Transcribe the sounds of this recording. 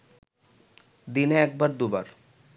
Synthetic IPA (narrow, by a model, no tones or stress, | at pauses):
d̪ineɛk̚baɾd̪uba̰ɾ